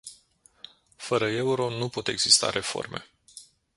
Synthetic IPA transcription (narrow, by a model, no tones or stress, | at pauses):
fəɾəe̞uɾo̞nupo̞t̪e̞ɡz̥ist̪a̰ɾʔe̞fo̞̰rme̞̰